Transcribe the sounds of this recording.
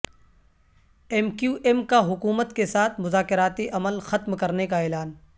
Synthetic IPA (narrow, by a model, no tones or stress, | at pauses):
ɛmkjuːʔɛmkaɦʊkuːmət̪kesaːt̪ʰmʊzaːkɪɾaːt̪iʔɐməlxɐt̪mkɐɾnekaɛːlaːn